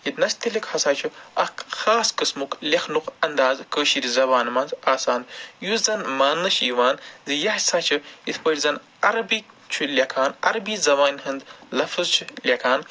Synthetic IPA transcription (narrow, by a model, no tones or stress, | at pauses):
jid̪nɐsʲt̪ilʲikhɐsaːt͡ʃʰɨɐkxaːskɨsmuklʲexnukɐnd̪aːzkəːʃiɾizɐbaːnmɐnzaːsaːnd̪juzɐnmaːnːɨʃiːʋaːnzɨjɐhsaːt͡ʃʰɨit̪ʰpɐɾʲzɐn | ɐɾɐbi | t͡ʃʰulʲɐkʰaːnɐ̰ɾbiːzɐʋaːnʲhɨnd̪lɐfɨzt͡ʃʰɨlʲɐkʰaːn